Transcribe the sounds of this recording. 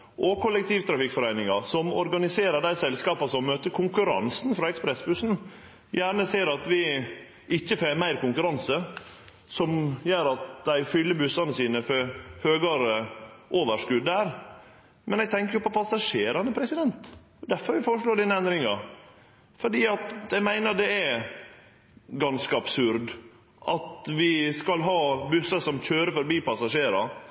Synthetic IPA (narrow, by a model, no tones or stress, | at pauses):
ʔɔkʰʊlːɛk̚t̪ʰiːʋt̪ʰɾɑfɪkfɔɾæɪnɪŋɑsɔmɔɾɡɑnɪseːɾəd̪æɪsɛlskɑːpɑsɔmːøːt̪əkʰʊŋkʉɾɑ̰nsnfɾɑɛkspɾɛsbʉsn̩ | jæːɾɳəseːɾɑt̪ʋɪ | ʔɪçːəfeːmæɪɾkʊŋkʉɾɑnsə | sɔmjøːɾɑt̪d̪æɪfʏlːəbʉsɑnəsiːnəføhøːɡɑɾəʔoːʋəʂkʉd̪ːæːɾ | mʔɛnɛɡt̪ʰɛŋkəɾjʊpʰɔpʰɑsɑʂeːɾɑnəpʰɾɛsɪd̪ɛnt̪ | ɔd̪æfɔɾʋɪfoːɾəʂɭoːɖiːnəɛnd̪ɾɪŋɑ | fɔɖiːɑt̪æɪmæɪnəd̪ɛæ | ɡɑnskəɑbsʉɾd̪ | ʔɑt̪ʋɪskɑlɦɑːbʉsɑsɔmçøːɾəfɔɾbiːpʰɑsɑʂeːɾɑ